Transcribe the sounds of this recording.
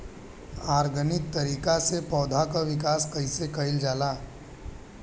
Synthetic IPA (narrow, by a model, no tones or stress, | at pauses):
aɾɡʱənikt̪əɾiːkasepɔːd̪ʱakəʋikaskəisekəild͡ʒala